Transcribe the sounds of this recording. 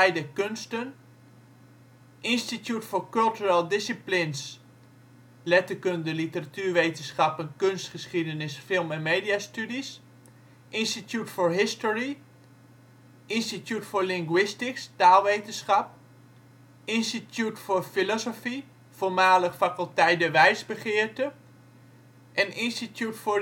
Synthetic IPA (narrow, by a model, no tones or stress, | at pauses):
ɛjdəkønstən | ʔɪnstitjutfoɹkɵlˠtyɹəlˠdɪsiplɪns | lɛtəkøndəlitəratyːɹʋejtənsχapənkønstχəsχidənɪsfɪlˠmɛnmeːdiastydis | ʔɪnstitjutfoɹɦɪstɔɹi | ʔɪnstitjutfʊːɹlɪŋɡwɪstɪkstaːlˠʋejtənsχɑp̚ | ɪnstitʰjutfʊɹfilɔsofi | folˠmaːləχfakəlˠtɛjdəʋɛjsbəχɪəɹtə | ʔɛnɪnstitjutfʊ